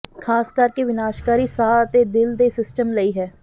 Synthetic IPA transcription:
kʰaːskəɾkeːʋɪnaːʃkaːɾiːsaːət̪eːd̪ɪld̪eːsɪsʈəmləiːɦɛː

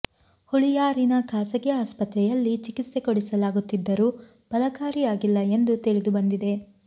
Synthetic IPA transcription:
huɭijaːɾinɐkʰaːsɐɡɛaːspɐt̪ɾɛjɐlːit͡ʃikit̪sekoɽisɐlaːɡut̪ːid̪ːɐɾuː | b̥ɐlɐkaːɾijaːɡilːɐe̞nd̪ut̪iɭid̪ubɐnd̪id̪e̞

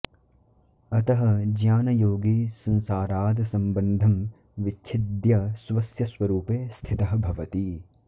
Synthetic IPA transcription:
ɐt̪ɐɦɐd͡ʒjaːnɐjoːɡiːsɐ̃nsaːɾaːd̪ʱɐsɐmbɐnd̪ʱɐm | ʋit͡ʃʰid̪jɐsʋɐsjɐsʋɐɾuːpeːst̪ʰit̪ɐɦɐbʱɐʋɐt̪i

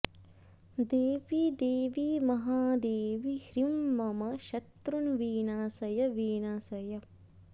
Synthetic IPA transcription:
d̪eːʋid̪eːʋimɐɦaːd̪eːʋihɾimːɐmɐʃɐt̪ɾunʋiːnaːsɐjɐʋiːnaːsɐjɐ

